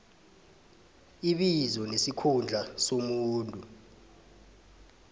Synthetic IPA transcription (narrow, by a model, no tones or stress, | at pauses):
iɓizɔnesikʰund͡ɮʱasomuːntʼu